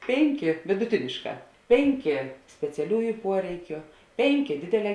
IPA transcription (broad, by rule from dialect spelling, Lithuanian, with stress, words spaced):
ˈpʲeːŋʲˌkʲeː ʋʲɪdʊˈtʲɪnʲeːʃˌkɑː ˈpʲeːŋʲˌkʲeː sʲpʲɛt͡sʲɛˈlʲuːjʊ ˈpuɔrʲɛɪkʲʊ ˈpʲeːŋʲˌkʲeː ˈdʲeːdʲeːˌlʲɛː